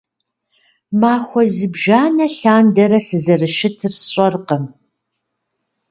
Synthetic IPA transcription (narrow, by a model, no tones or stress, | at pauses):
maːxʷɔzɨbʒaːnɐɬaːndɐɾɐsɨzɐrɨʃɪtʰɨrsɕʷʼɐrqɐm